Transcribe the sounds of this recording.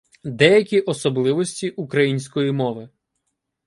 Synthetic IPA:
d̪ɛjɐkʲiʔɔsɔblˠɪʋɔsʲtʲiʔukɾɐjinʲsʲkɔjimɔʋɪ

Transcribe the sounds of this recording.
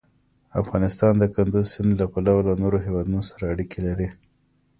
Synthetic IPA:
a̰fɣɑnɪst̪ɑnd̪əkand̪uzsɪnd̪lapalawlanoɾoɦewɑd̪unosaɾaːɽikʰelaɾi

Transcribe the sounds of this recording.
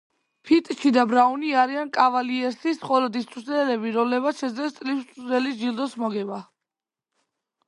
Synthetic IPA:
pʰit̪ʼʃid̪abɾauniaɾiankʼavaliɛɾsisχɔlɔd̪ist̪ʼusɾɛlɛbiɾɔmlɛmat̪sʃɛd̪zlɛst̪sʼlisʼɾɛlisd͡ʒilˠd̪ɔsmɔɡɛba

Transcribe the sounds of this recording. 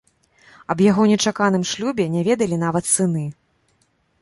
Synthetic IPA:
ɐbjaɣɔnʲɛt͡ʂakanɨmʂlʲubʲɛnʲavʲɛd̪ɐlʲin̪avɐt̪sɨnɨ

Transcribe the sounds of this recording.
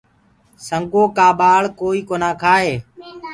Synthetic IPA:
səŋɠoːkaːɓaːɭkoːiːkoːnãːkʰaːɦeː

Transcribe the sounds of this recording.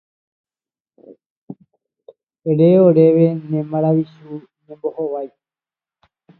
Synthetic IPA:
eɾeoɾeʋe̞nẽmãɾaʋisu | ɲẽmbohoʋaj

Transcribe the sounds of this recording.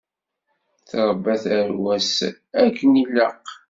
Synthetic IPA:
θɾˤəbːæθæɾwæs | ækːənilːəq

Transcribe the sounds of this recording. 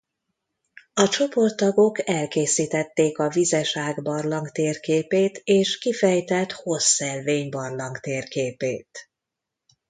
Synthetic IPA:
ɒt͡ʃo̞po̞rt̪ːɒɡo̞kɛlkeːsiːt̪ɛt̪ːeːkɒvizɛʃaːɡbɒrlɒŋkt̪eːrkeːpeːt̪eːʃkifɛjt̪ɛlt̪ho̞sːɛlveːɲbɒrlɒŋkt̪eːrkeːpḛːt̪

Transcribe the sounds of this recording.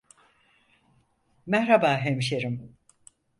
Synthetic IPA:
mɛhɾabaːɦemʃeɾim

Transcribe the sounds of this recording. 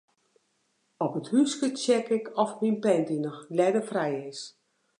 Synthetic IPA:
ɔpəthyskət͡ʃɛkɪkʰɔfminpɛndinɔxlɛdəfrɛjɪs

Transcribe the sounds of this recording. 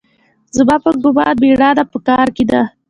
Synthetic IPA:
zəbapəɡʊbɑ̰d̪̚beɽɑd̪apəkɑɾked̪a

